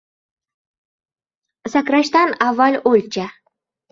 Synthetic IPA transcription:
sakɾaʃt̪anavːalolʲt͡ʃʰa

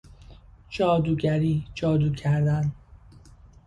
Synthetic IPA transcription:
d͡ʒɒːd̪uːɟæɾiːd͡ʒɒːd̪uːcʰæɾd̪æn

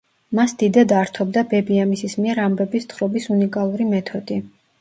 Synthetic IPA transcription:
masd̪̥id̪ad̪aɾt̪ʰɔbd̪abɛbiamisismiɛɾambɛbist̪χɾɔbisunikʼalˠuɾimɛt̪ʰɔd̪̥i

